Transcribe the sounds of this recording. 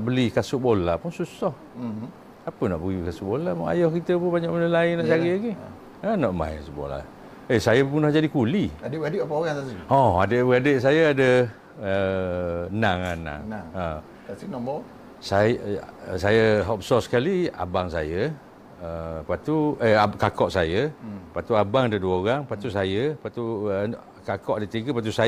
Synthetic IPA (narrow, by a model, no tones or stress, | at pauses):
nʔbəlikasuʔbolapʊnsusɔh | apənaʔbəɡikasuʔbolama̰jɔhkit̪əpʊnbaɲaʔmənəlainaʔt͡ʃaiʔaɡi | ənɔʔma̰kasuʔbo̰la̰ | esajəpunɔhd͡ʒadikuliadəbəadəʔapaoɣaŋsaɔa̰dəʔbəɡadəʔs̬ajaadə | ə | naŋana̰ŋŋə | sinɔbɔ | sajsajəɦɔp̚sɔskalia̰baŋsa̰jə | əpat̪uəakakɔʔsajəpat̪uabaŋadəduəoɣaŋpat̪usajəpat̪u | kakɔʔadət̪iɡəpat̪̬usa